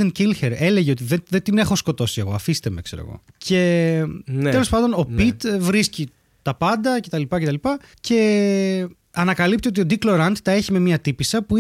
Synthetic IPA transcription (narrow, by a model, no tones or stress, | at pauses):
encilçeɾe̞le̞ʝeot̪iðeðet̪inexo̞sko̞t̪o̞sie̞ɣo̞̰ɐfist̪e̞mekse̞ɾo̰ɣo̞̰ce̞ | t̪elo̞spɐnd̪ono̞pit̪vɾisci | t̪ɐpɐnd̪ɐce̞t̪ɐlipɐce̞t̪ɐlipɐce̞ | ɐnɐkɐlipt̪io̞t̪io̞d̪ikloɾɐnt̪t̪ɐeçime̞miɐt̪ipisɐpu